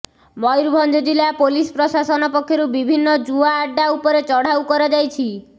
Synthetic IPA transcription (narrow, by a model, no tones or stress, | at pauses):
mɔjɾubʱɔnd͡ʒɔd͡ʒilapolispɾɔsasɔnɔpɔkʰːjɔɾubibʱinːɔd͡ʒuaːɖːaupɔɾet͡ʃɔɽ̤awkɔɾɔd͡ʒajt͡ʃʰi